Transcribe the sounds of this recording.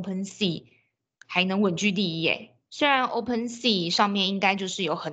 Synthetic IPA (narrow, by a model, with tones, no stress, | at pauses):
pʰə˧nsi˥˩ | xa˧˥ɪnɤ˧˥ŋwə˨˩nt͡ɕy˥˧t̪i˥˧ɛ̰˥˩ | swe˥ɪɻa˧˥nʔo̰˥ʊpʰə˥˧nsi˥˧ʂɑ˥˧ŋmjɛ˥˩ni˥ŋka˥ɪt͡ɕjo˥˧ʂɻ̩˥˩jo˨˧˥ʊxə˨˩n